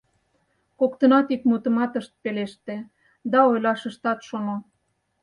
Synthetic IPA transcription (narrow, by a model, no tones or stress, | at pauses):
kokt̪ə̆nɑt̪ikmut̪ə̆mɑt̪əʃt̪̚peleʃt̪ĕ | d̪ɑojlɑʃə̆ʃt̪ɑt̪ʃono